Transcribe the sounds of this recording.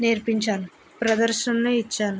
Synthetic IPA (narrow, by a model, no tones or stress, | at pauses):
neːɾpiɲt͡ʃaːnu | pɾɐd̪ɐɾʂɐnluit͡ʃːaːnu